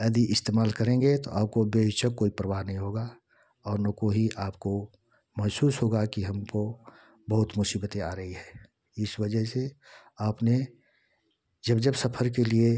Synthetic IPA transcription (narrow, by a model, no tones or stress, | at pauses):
ɛːd̪iʔɪst̪eːmaːlkəɾẽːŋɡet̪oʔaːp̚kobet͡ʃəkːoːipɾəʋaːɦnɐɦĩɦoːɡa | ɔːɾnəkoɦiʔaːp̚ko | mɐɦsuːsɦoːɡakiɦɐmko | bəɦʊt̪mʊsiːbət̪eaːɾəɦiɦɛː | ɪswəd͡ʒəɦse | aːpne | d͡ʒəbd͡ʒəbsəpʰəɾk̬elie